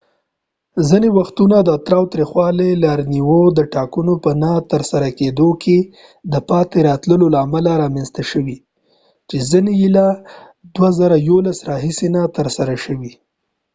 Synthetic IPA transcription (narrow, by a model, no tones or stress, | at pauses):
zinewaxt̪unad̪ət̪ɾawt̪ɾexwɑlelɑɾniwod̪əʈɑkunopənat̪əɾsaɾaked̪okʰe | d̪əpɑt̪eɾɑt̪ləlolaːmalaɾɑmanst̪aʃəwi | t͡ʃezineila | d̪wazaɾajolasɾɑɦisenat̪əɾsaɾaʃəwi